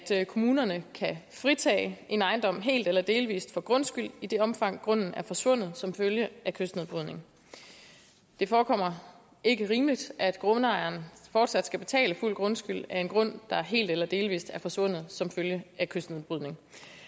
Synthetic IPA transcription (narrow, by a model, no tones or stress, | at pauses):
d̥kʰo̝muːnɐnəkʰæfʁit͡sʰɛ̰ːɪʔe̝nɑ̈ɪnd̥ɒ̽m̰ɦe̝̰ːld̥elɐd̥e̝ːlʋḭːsd̥fɒ̽ɡ̥ʁɔ̽nsɡ̥yl̰id̥e̝ɒ̽mfɑ̈ŋ̰ɡ̥ʁɔ̽n̰n̩æɐfɒ̽sʋɔ̽n̰ð̩ˠsɒ̽mføljəækʰøsd̥ne̝ðˠb̥ʁyðˠne̝ŋ | d̥e̝fɒːkʰɒ̽m̰ɐ | e̝ɡ̥əʁiːmlid̥ʔæd̥ɡ̥ʁɔ̽nəɑ̈ɪɐnfɒːd̥sæd̥sɡ̥æb̥e̝t͡sʰɛ̰ːləful̰ɡ̥ʁɔ̽nsɡ̥yl̰æɐe̝nɡ̥ʁɔ̽n̰d̥ɑ̈ɦe̝̰ːld̥elɐd̥e̝ːlʋḭːsd̥æɐfɒ̽sʋɔ̽n̰ð̩ˠsɒ̽mføljəækʰøsd̥neðˠb̥ʁyðˠne̝ŋ